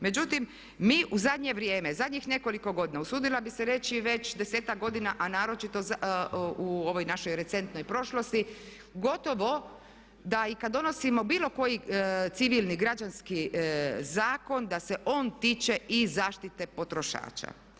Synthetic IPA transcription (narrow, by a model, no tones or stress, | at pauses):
me̞d͡ʑut̪im | miːʔuzad̪ɲe̞ʋɾje̞ːmezad̪ɲixne̞ko̞liko̞ɡo̞d̪inausuːd̪ilabiseɾe̞t͡ɕiʋe̞t͡ɕd̪eseːt̪ak̚ɡo̞d̪inaʔanaːɾo̞t͡ʃit̪o | uo̞ʋo̞jnaʃo̞jɾe̞t̪se̞nt̪no̞jpɾo̞ʃlo̞st̪i | ɡo̞t̪o̞ʋo̞ | d̪aikad̪ːo̞no̞simo̞biːlˠo̞ko̞jit̪siʋilˠniɡɾad͡ʒanskizaːko̞nd̪ase̞ʔo̞ːnt̪iːt͡ʃeʔizaːʃt̪it̪e̞po̞t̪ɾo̞ʃa̰ːt͡ʃa̰